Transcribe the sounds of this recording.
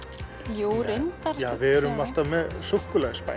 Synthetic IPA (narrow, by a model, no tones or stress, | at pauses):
juɾejnt̪aɾjaːvɪðɛɾʏmal̥t̪amɛðsuhkʏlɛɣspa̰